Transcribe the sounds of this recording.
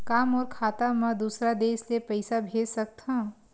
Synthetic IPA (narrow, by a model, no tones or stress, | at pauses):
kaːmɔːɾkʰaːt̪amə̃d̪uːsɾad̪eːslepəɪsabʱeːd͡ʒsək̚t̪ʰɐ̃